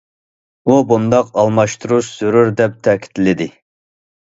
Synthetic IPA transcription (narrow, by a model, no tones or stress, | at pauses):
ubund̪ɑqɑlˠmɑʃt̪ʰuɾuʃz̥øɾuɾd̪ɛp̚t̪ʰɛkʲʰi̥t̪lɪd̪ɪ